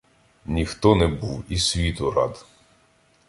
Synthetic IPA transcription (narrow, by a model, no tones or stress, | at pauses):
nʲixt̪ɔnɛbuwisʲʋʲit̪ʊɾɑ̰d̪